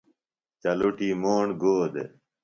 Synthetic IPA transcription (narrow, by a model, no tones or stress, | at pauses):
t͡ɕɐluʈimoːɳɡoːd̪ḛ